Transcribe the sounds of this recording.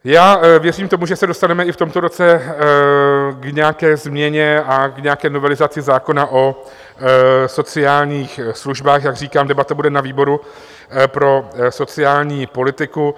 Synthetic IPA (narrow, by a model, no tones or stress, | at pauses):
jaːvjɛriːmt̪o̞muʒɛsɛdo̞st̪anɛmɛɪft̪o̞mt̪o̞ɾo̞t͡sɛ | ɡɲɛakɛːzmɲɛɲɛakɲɛakɛːno̞vɛlɪzat͡sɪzaːko̞naʔo̞ | so̞t͡sɪaːlɲiːxsluʒbaːxjaɡr̝iːkaːmdɛbat̪abudɛnaviːbo̞ɾu | pɾo̞so̞t͡sɪaːlɲiːpo̞lɪt̪ɪku